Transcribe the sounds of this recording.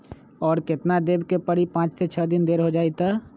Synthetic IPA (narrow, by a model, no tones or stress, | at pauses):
ɔːɾkɪt̪nad̪eːbkepəɽipãːt͡ʃt̪ʰet͡ʃʰəd̪ɪnd̪eːɾɦod͡ʒaːit̪aː